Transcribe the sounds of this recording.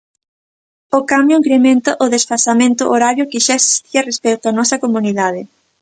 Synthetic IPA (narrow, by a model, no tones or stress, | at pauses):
okamjoiŋkɾemẽnt̪aʔʊðesfasamẽnt̪ʊʔoɾaβjokɪʃaesi̥st̪iɐrespejt̪oanɔsɐkomuniðaðɪ